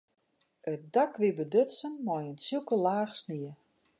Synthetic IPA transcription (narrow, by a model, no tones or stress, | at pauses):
ət̚dakʋibədøtsənmɔjənsilˠkəlaːxsniə